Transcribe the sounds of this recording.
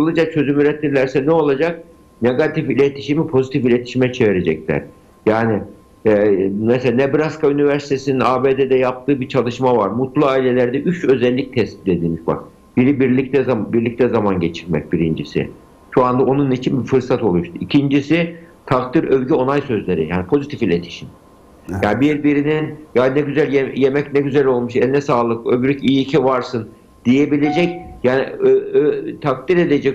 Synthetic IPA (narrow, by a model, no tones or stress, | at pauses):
ɯlˠɯd͡ʒat͡ʃʰø̞zymyɾɛt̪ʰːiɾlʲæɾsɛnɛo̞lˠad͡ʒak̚ | neɡat̪ʰifilʲet̪ʰi̥ʃimipʰo̞zit̪ʰifilʲet̪ʰi̥ʃimɛt͡ʃʰeviɾed͡ʒɛclʲæ̰ɾ̥ | jaːni | ɛmɛselanebiɾaskaynivæɾsi̥t̪ʰesininaːbeːd̪ed̪ɛjap̚t̪ʰɯːbit͡ʃʰalˠɯʃmavaɾmut̪lˠuaːilʲelʲæɾd̪ɛʔyt͡ʃø̞zɛlʲːic̚t̪ʰɛsʲi̥t̪ed̪iːmiʃba̰ɾ | b̥iɾibiɾlʲic̚t̪ɛzabiɾlʲic̚t̪ʰɛzamanɟet͡ʃʰiɾmɛ̰c̚biɾind͡ʒisḭ | ʃoand̪aonunːit͡ʃʰinbifɯɾsat̪ʰo̞lˠuʃt̪ʰuicʰind͡ʒisit̪ʰakt̪ʰiɾøvɟyo̞najsø̞zlʲe̞ɾḭja̰ːnipʰo̞zit̪ʰifilʲet̪ʰi̥ʃim | jaːnibiɾbiɾininjaːnɛɟyzælʲjejemɛcnɛɟyzælʲo̞lˠmuʃɛlʲnɛsaːlˠɯkøbyɾʲycijiːcʰivaɾsɯn | d̪̥ije̞bilʲe̞d͡ʒɛcjaːniøt̪ʰak̚t̪iɾe̞d̪ed͡ʒɛc